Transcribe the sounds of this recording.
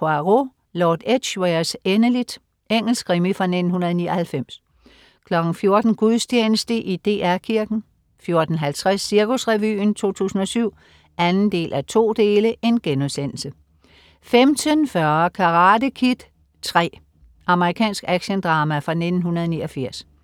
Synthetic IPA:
pʰoɑʁo | lɒːd̥ed̥ɕweɐsenəlid̥ | eŋ̰l̩sɡ̥ʁimifʁɑ̈ne̝d̥n̩hunɐðˠnḭɐhælfem̰s | kʰlɒ̽ɡ̥n̩fjo̝ɐd̥n̩ɡ̥uðˠsdʰeːnəsd̥əʔid̥e̝ːæɐkʰiɐɡ̥n̩ | fjo̝ɐd̥n̩ɦælt͡sʰʁɛsːiɐkusʁɛʋy̰ːnt͡sʰo̝̰ːt͡sʰṵːsn̩ɒ̽syʊ̰ | ænn̩d̥e̝̰ːlʔæt͡sʰo̝̰ːd̥e̝ːləʔe̝nɡ̥enuðˠsen̰l̩sə | femt͡sʰənfɶːɐkʰɑ̈ʁɑ̈ːdəkʰid̥ | t͡sʰʁɛ̰ː | ʔɑ̈məʁikʰɛ̰ːnsɡ̥æɡ̥ɕənd̥ʁɑ̈ːmæfʁɑ̈ne̝d̥n̩hunɐðˠniːɐfiɐ̰s

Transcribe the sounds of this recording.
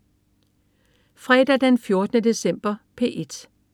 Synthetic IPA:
fʁɛːd̥æd̥enfjo̝ɐd̥ənəd̥e̝sem̰b̥ɐpʰeːʔe̝d̥

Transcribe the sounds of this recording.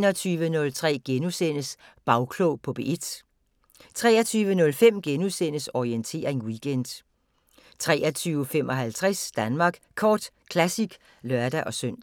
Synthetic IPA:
nɐt͡sʰyːʋənɔ̽lt͡sʰʁɛ̰ːɡ̥enusen̰əs | b̥ɑ̈ʊkʰlopʰɒ̽b̥e̝ʔed̥ | t͡sʰʁɛ̰ːɐt͡sʰyːʋənɔ̽lfem̰ɡ̥enusen̰əsɒient͡sʰe̝̰ːɐeŋwiɡ̥en̰d̥ | t͡sʰʁɛ̰ːɐt͡sʰyːʊəfemɒ̽ɦælt͡sʰʁɛsd̥ænmɑ̈ːɡ̥kʰɒːd̥ | kʰlæsiɡ̥ | lɶɐd̥æʔɒ̽søn̰

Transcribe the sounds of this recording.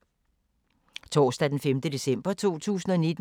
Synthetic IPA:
t͡sʰɒ̰ːsd̥æd̥enfemd̥əd̥e̝sem̰b̥ɐt͡sʰo̝̰ːt͡sʰṵːsn̩ɒ̽ned̥

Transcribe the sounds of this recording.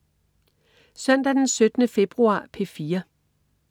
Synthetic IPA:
sœn̰d̥æd̥ensød̥ənəfe̝b̥ʁuɑ̰̈ːpʰe̝fiːɐ

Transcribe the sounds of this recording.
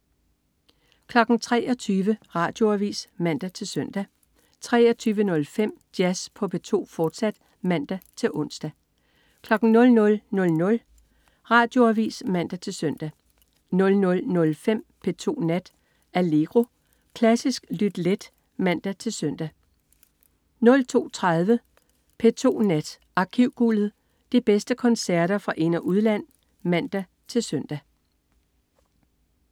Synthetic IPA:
kʰlɒ̽ɡ̥n̩t͡sʰʁɛ̰ːɒ̽t͡sʰyːʋəʁɑ̈ːd̥jo̝æʋḭːsmæn̰d̥æt͡sʰe̝lsœn̰d̥æ | t͡sʰʁɛ̰ːɒ̽t͡sʰyːʋənɔ̽lfem̰d̥jæspʰɒ̽pʰe̝t͡sʰo̝̰ːfɒːd̥sæd̥ | mæn̰d̥æt͡sʰe̝lʔɔ̽n̰sd̥æ | kʰlɒ̽ɡ̥n̩nɔ̽lnɔ̽lnɔ̽lnɔ̽l | ʁɑ̈ːd̥jo̝æʋḭːsmæn̰d̥æt͡sʰe̝lsœn̰d̥æ | nɔ̽lnɔ̽lnɔ̽lfem̰pʰe̝t͡sʰo̝̰ːnæd̥ | æle̝ɡ̥ʁo̝ | kʰlæsisɡ̥lyd̥led̥ | mæn̰d̥æt͡sʰe̝lsœn̰d̥æ | nɔ̽lt͡sʰo̝̰ːt͡sʰʁað̞ˠʋə | pʰe̝t͡sʰo̝̰ːnæd̥ | ʔɑ̈kʰiʊ̰ɡ̥ulð̩ˠ | d̥ib̥esd̥əkʰɒ̽nsæɐ̰ɾɐfʁɑ̈ʔe̝nɐʔuð̞ˠlæn̰ | mæn̰d̥æ | t͡sʰe̝lsœn̰d̥æ

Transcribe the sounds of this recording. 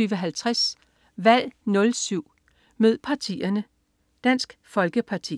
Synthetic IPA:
yːʋəɦælt͡sʰʁas | ʋæl̰nɔ̽lsyʊ̰ | møð̰ˠpʰɑ̈t͡sʰḭːɐnə | d̥æn̰sɡ̥fɒ̽lɡ̥əpʰɑ̈t͡sʰḭ

